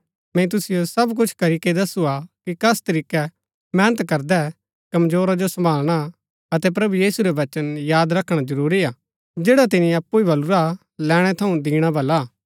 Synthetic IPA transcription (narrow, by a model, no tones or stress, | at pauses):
mɛ̃it̪̬ʊsɪjosɐbk̬ʊt͡ʃʰkɐɾiːked̪ɐsuakikɐst̪ɐɾiːkɛ | mɛ̃ːnət̪kɐɾd̪ɛ | kɐmd͡ʒoːɾad͡ʒosɐ̃mbʱaːlɽ̃a | ɐt̪ɛp̬ɾɐbujiːsuɾɛʋɐt͡ʃənjaːd̪ɾɐkʰɽ̃ad͡ʒɐɾuːɾiaː | d͡ʒeːɽat̪̬ɪniɐpːuibʱɐluɾa | lɛːɽ̃ɛt̪ʰɐũd̪iːɽ̃abʱɐlːaː